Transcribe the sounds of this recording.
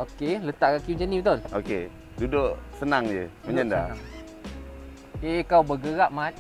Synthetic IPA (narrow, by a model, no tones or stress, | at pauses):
okelət̪aʔɣakud͡ʒənipt̪ʊnoke | dudoʔsənaŋd͡ʒəməɲanda̰ | ekawbəɡəɣaʔma